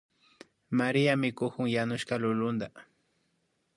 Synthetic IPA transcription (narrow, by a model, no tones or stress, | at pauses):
maɾɪjamɪkʊkʊŋjanʊʃkalʊlʊnd̪a